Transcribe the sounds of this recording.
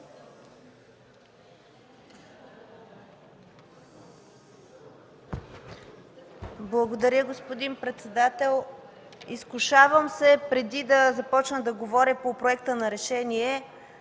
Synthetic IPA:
blˠɐɡod̪ɐɾʲəɡospod̪inpɾɛt̪sɛd̪at̪ɛlˠiskuʃavəmsɛpɾɛd̪id̪ɐzɐpɔt͡ʃnəd̪ɐɡovɔɾʲəpopɾoɛk̚t̪ənɐɾɛʃɛniɛ

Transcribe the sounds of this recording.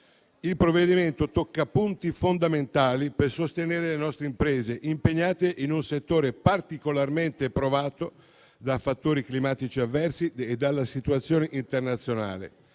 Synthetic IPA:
ilpɾovːed̪iment̪ot̪okːapunt̪ifond̪ament̪aːlipersost̪eneːɾelenɔst̪ɾeimpɾeːzeʔimpeɲːaːt̪eʔinunset̪ːoːɾepart̪ikolarment̪epɾovaːt̪o | d̪afat̪ːoːɾiklimaːt̪it͡ʃiavːɛrsied̪ːalːasit̪uat̪sːjoːneʔint̪ernat̪sːjona̰ːlḛ

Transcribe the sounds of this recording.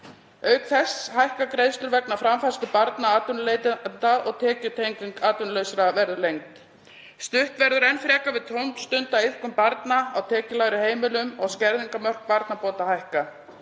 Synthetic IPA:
œɥkθɛshajhkakɾejst̪ʏɾvɛknafɾamfast̪ʏpaɾt̪naaːt̪ʏnleːjt̪t̪aɔɣt̪ʰɛːcʏt̪ʰejŋkʏŋkaːt̪ʏnlœːɥsɾavɛɾðʏlejŋt̪ | st̪ʏht̪vɛɾðʏɾɛnfɾɛːkavɪðt̪ʰowmst̪ʏnt̪aweðkʏmpaɾt̪naawt̪ʰɛːcɪlaːɣɾʏheːjmɪlʏmɔɣscɛɾðiŋkamœr̥k̚paɾt̪napɔːt̪ahajhka

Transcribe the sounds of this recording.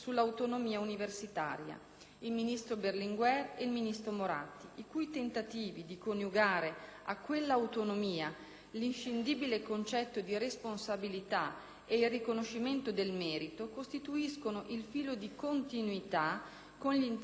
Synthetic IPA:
sulːawt̪onomiːauniversit̪a̰ːɾja̰ | ilminist̪ɾoberliŋɡwɛreilminist̪ɾomoɾa̰t̪ːiʔikujt̪ent̪at̪iːvid̪ikonjuɡaːɾea̰kːwelːaːwt̪onomiːa | linʃind̪iːbilekont͡ʃɛt̪ːod̪iresponsabilit̪a | eilrːikonoʃːiment̪od̪elmɛːɾit̪okost̪it̪uiskonoʔilfiːlod̪ikont̪inuit̪a | konʎin

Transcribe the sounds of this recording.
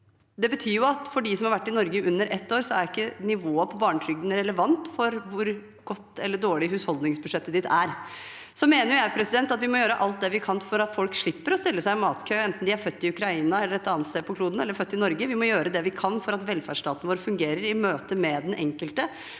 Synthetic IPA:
d̪ɛbət̪ʰyːɾjʊɑt̪fɔɖɪs̬ɔmhɑɾʋæʈːɪnɔɾɡəʔʉnːəɾʔɛt̪ːoːɾsɔæɾɪkːənɪʋoːəpʰɔbɑːɳʈʰɾʏɡd̪n̩ɾɛləʋɑnt̪fɔɾʋʊɾ | ɡ̥ɔt̪ːɛlːəɖoːɭɪhʉshɔld̪nɪŋsbʉʂɛt̪ːəd̪ɪt̪ʰæɾ | sɔmeːnəjʊjæɪpʰɾɛsɪd̪ɛnt̪ɑt̪ʋɪmɔjøːɾəʔɑlt̪̚d̪ɛʋɪkʰɑnfɔɾɑt̪fɔlkʂɭɪpːəɾɔst̪ɪlːəsæɪmɑːt̪kʰøːɛnt̪n̩d̪ɪæɾfœt̪ːɪʉkɾɑiːnɑɛlːəɾɛt̪ɑːnt̪st̪eːpʰɔkʰluːd̪n̩ɛlːəɾfœt̪ːɪnɔɾɡəʋɪmɔjøːɾəd̪ɛʋɪkʰɑnfɔɾɑt̪ʋɛlfæʂʈɑːt̪ənəʋoːɾfʉŋɡeːɾəɾɪmøːt̪əmɛd̪ɛnʔɛŋkəlt̪ə

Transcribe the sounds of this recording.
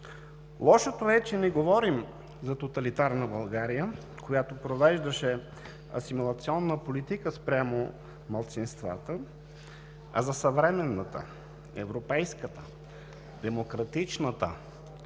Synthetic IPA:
lˠɔʃot̪oɛt͡ʃɛnɛɡovɔɾim | zɐt̪ot̪ɐlit̪aɾnəbɐlˠɡaɾijə | kojat̪opɾovɛʒd̪əʃɛ | ɐ̰simulˠɐt̪siɔnːəpolit̪ikəspɾʲjamo | mɐlˠt̪sinst̪va̰t̪ə | ɐ̰zɐsɐvɾɛmɛnːət̪ə̰ | ɛ̰vɾopɛjskət̪ə | d̪ɛmokɾɐt̪it͡ʃnət̪ə̰

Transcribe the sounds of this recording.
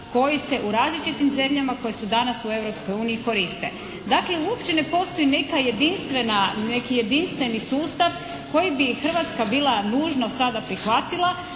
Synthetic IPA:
ko̞jise̞ʔuɾaːzlit͡ʃit̪imze̞mʎamako̞jesud̪anasue̞vɾopsko̞juːniiko̞ɾist̪e̞̰ | d̪akleuo̞pʃt͡ʃe̞ne̞po̞st̪o̞jine̞kaje̞d̪inst̪ʋenanekije̞d̪inst̪ʋe̞nisuːst̪aʋ | ko̞jibixr̩ʋat̪skabiːlˠanuːʒno̞sad̪apɾixʋat̪ilˠa

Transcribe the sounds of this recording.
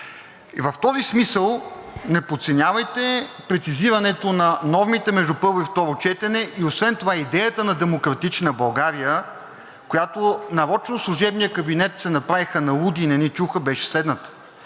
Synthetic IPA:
ivɐft̪ɔzismisəlˠnɛpot̪sɛnʲavɐjt̪ɛpɾɛt̪siziɾɐnɛt̪onɐnɔvmit̪ɛmɛʒd̪upɤɾvoift̪ɔɾot͡ʃɛt̪ɛnɛʔiosvɛnt̪ovaid̪ɛjət̪ənɐd̪ɛmokɾɐt̪it͡ʃnəbɐlˠɡaɾijə | kojat̪onɐɾɔt͡ʃnoslˠuʒɛbnijəkɐbinɛt̪sɛnɐpɾavixənɐlˠud̪inɛnit͡ʃuxəbɛʃɛ̥slɛd̪nət̪ə̥

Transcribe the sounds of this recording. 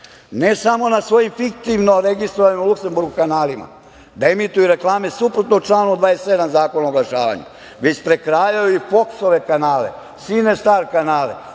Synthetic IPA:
nesamo̞nasʋo̞jimfik̚t̪iʋnoɾeɡist̪ɾoʋanimulukse̞mbuɾɡukanaːlima̰ | d̪aemit̪ujuɾe̞klˠaːmesupɾot̪not͡ʃlˠaːnud̪ʋaːesːed̪amzaːko̞naoɡlˠaʃa̰ːʋa̰ɲṵ | ʋet͡ʃpɾekɾaːjajuifo̞ksoʋekanaːlḛ | sinest̪aːɾkanaːlḛ

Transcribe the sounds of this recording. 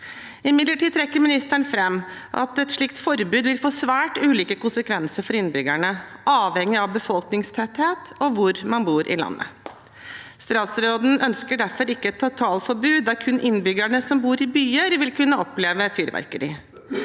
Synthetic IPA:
ɪmɪd̪ləʈiːd̪̚t̪ʰɾɛkːəɾmɪnɪst̪æɳfɾɛmː | ʔɑ̰t̪ɛt̪ʂɭɪkt̪fɔɾbʉːd̪ʋɪlfoːsʋæːʈʉːliːkəkʊnsəkʰʋɛnsəɾfɔɾɪnbʏɡæɳəʔɑːʋhɛŋːɪɑʋbəfɔlknɪŋst̪ʰɛt̪heːt̪ɔʋʊɾmɑnbuːɾʔɪ̰lɑ̰nːə̰ | st̪ɾɑːt̪sɾoːd̪n̩ʔœnskəɖæɾfɔɾɪkːəɛt̪ʰːɑt̪ʰːɑːlfɔɾbʉːd̪̚d̪æɾkʰʉnʔɪnːbʏɡæɳəsɔmbuːɾɪbyːəɾʋɪlkʰʉnːəɔpleːʋəfyːɾʋæ̰ɾkəɾɪ

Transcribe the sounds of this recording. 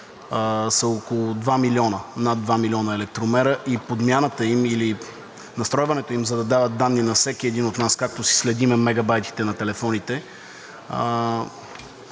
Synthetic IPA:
sɐokolˠʊd̪vamilʲɔnənad̪ːvamilʲɔnəɛlɛk̚t̪ɾomɛɾəʔipod̪mʲjanət̪əimili | nɐst̪ɾɔjvɐnɛt̪oimzɐd̪ɐd̪avət̪̚d̪anːinɐfsɛkiɛd̪inot̪naskak̚t̪osi̥slɛd̪imɛmɛɡɐbajt̪i̥t̪ɛnɐt̪ɛlɛfɔnit̪ɛ

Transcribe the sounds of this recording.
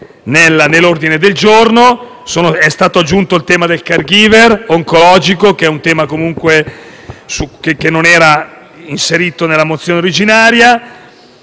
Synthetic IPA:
nelːanelːord̪ined̪eld͡ʒorno | soːnoɛst̪aːt̪oad͡ʒːunt̪oilt̪ɛːmad̪elkarɡiːveroŋkolɔːd͡ʒikokɛunt̪ɛːmakomuŋkwe | sukekenːonɛːɾa | inseɾiːt̪onelːamot̪sːjoːneoɾid͡ʒinaːɾja

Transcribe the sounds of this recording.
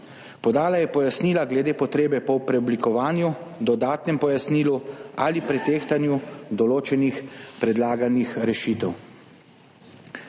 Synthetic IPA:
pɔd̪aːlajɛpɔjasniːlaɡlɛd̪eːpɔt̪ɾeːbɛpɔpɾɛɔblikɔʋaːnjud̪ɔd̪aːt̪nɛmpɔjasniːlualipɾɛt̪eːxt̪anjud̪ɔloːt͡ʃɛnixpɾɛd̪laːɡanixɾɛʃiːt̪ɛw

